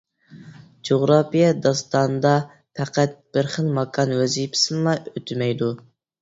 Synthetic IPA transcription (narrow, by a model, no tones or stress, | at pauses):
d͡ʒoʁɾɑpijɛd̪ɑst̪ɑnd̪ɑ | pʰɛqʰæt̪̚b̥ɪɾχəlˠmɑkʰɑnwɛzipʰɪ̥sɨnlɑʔøt̪ʰɪmɛjd̪u